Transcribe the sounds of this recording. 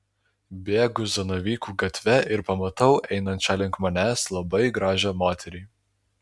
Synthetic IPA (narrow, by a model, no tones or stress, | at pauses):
bʲeːɡʊzɐnɐʋʲiːkuːɡɐt̪ʲʋʲɛʔɪɾpɐmɐt̪ɐʊʔɛɪnɐnʲt͡ʃʲɛlʲɪŋkmɐnʲæːslˠɐbɐɪɡɾɑːʒʲɛmoːt̪ʲɛɾʲiː